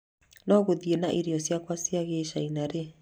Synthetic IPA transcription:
nɔɣoðienaʔiɾiɔsjakwasiaɣeʃainaɾe

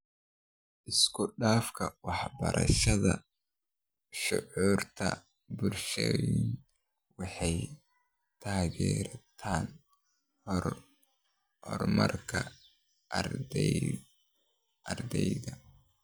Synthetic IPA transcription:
ʔɪskʰʊɖaːfkʰɐwɑħbɐɾʔɐ̰ʃɐðɐ | ʃʊ̰ʕuːrt̪ʰɐ̰ | bʊrʃɛwn | wɑħɑj | t̪ʰaːɣɛːɾɐt̪ʰaːn | hɔr | hɔ̰rmɐ̰rkʰɐ | ɐrdɛ | ʔɐrd̪ɛjðɐ

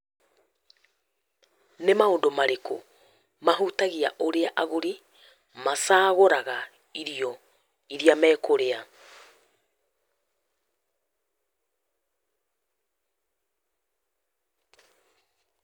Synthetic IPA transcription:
nemaoːndomaɾeko | maɦutaɣiaʔoɾeaʔaɣoɾi | masaːɣoɾaɣa | iɾiɔ | iɾiamɛːkoɾea

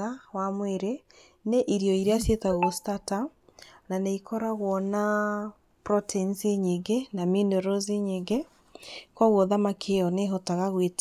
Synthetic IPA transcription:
ɣawamweɾe | neʔiɾiɔiɾeasjetaɣɔstatananeikʰɔɾaɣwɔna | pɾɔtʰɛnseɲeŋɡenaminoɾozeɲeŋɡe | kwɔɣwɔðamakʰeɔneɦɔtaɣaɣwet

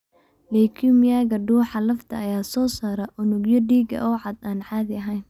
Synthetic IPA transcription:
lɛːkʰimjaːɣɐɖuːħɑlɐft̪ʰɐɐjaːsɔːsaɾɐʔʊnʊɡjɔɖiːɡɐ̰ʔɔːʕɑd̪aːnħaːðɪɐɦɛjn

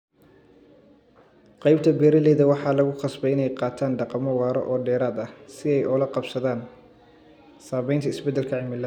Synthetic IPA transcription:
qɑjb̚t̪ʰɐbɛːɾɐlɛːðɐwɑħɑːlɐɣʊqɑsbɛɪnɛjqɑːt̪ʰaːnɖɑqɑmɔwɑːɾɔ̰ʔɔːɖɛːɾaːd̪ɐsɪɛjʔɔlɐqɑbsɐðaːn | saːβɛjnt̪ʰɐɪsbɛd̪ːɛlkʰɐʕɪmɪlɐ

